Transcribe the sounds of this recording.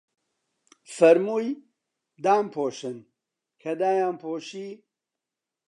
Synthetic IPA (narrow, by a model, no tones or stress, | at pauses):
fɐɾmuːj | d̪aːmpʰoːʃɨn | kʰɐd̪aːjaːmpʰoːʃiː